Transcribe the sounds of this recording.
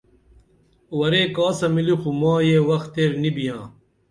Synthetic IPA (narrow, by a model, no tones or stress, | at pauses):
wɐɾeːkaːsɐmilixumãːjeːwɐxt̪eːɾnibijãː